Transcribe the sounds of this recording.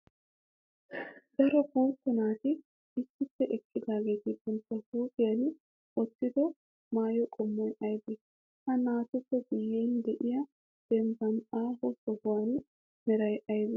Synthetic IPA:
ɡ̪ɐɾɔbuːt̪ːɔnaːt̪ɪ | ɪsːɪpːɛʔɛkːɪd̪aːɡe̞ːt̪ɪt̪ɛnt̪ːɐhuːt̪ɪjɐn | ɔt̪ːɪd̪ɔ | maːjɔkʼɔmːɔjʔɐjd̪ɛ | hɐnaːt̪ʊpːɛɡʊjːeːnd̪ɛʔɪjɐ | d̪̥ɛmbɐnaːbɔsɔbʊwan | mɛɾɐjʔɐjd̪ɛ

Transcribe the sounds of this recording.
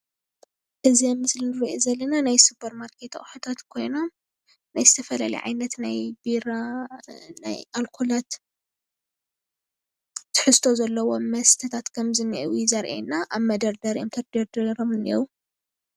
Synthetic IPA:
ʔɨziɛmːɨslinɨɾiʔezɐlːɐnanajsupʰɐɾmaɾkʰet̪ʰɐ̰χʼħot̪ʰat̪kʰo̞jno̞m | najzɨt̪ʰɐfɐla̰lḭʕa̰jnɐt̪najbiɾa | na̰jʔalkʰulat̪ | t̪ʰːɨ̥ħɨst̪ʰo̞zɐlːɐwo̞mɐst̪ʰɐt̪ʰat̪kʰɐmzɨnːiʔwzɐɾʔḛnːaʔaβmɐd̪ɐɾd̪ɐɾomt̪ʰɐɾd̪ɐɾd̪ɐɾomɨnːiwu

